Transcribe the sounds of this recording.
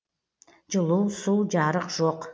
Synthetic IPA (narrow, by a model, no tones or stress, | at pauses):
d͡ʒɨlˠusuːd͡ʒɑɾəqʒoq